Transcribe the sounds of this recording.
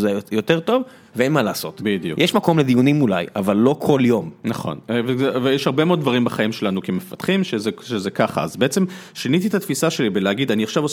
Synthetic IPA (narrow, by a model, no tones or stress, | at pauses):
zejo̞te̞ʁt̪o̞v | veenmalaːso̞t̪bid̪ijṵkjɛʃmako̞mled̪ijunimulajʔavalːo̞kʰo̞ljo̞mnaχo̞̰nvevejɛʃhaʁbemeood̪vaʁimbaχaimʃe̞lanukemefat̪χimʃezeʃezekaχa̰azbeet͡se̞m | ʃinit̪it̪at̪fisaʃe̞libeleaɡid̪aniaχʃavo